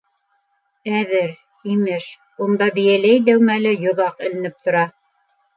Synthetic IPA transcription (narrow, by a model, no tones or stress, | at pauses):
æðɘɾ | imɘʃ | und̪ɑbɘ̆jælæjd̪æwmælɘjŏðɑqɘ̆lɘ̆nɘp̚t̪ŏɾɑ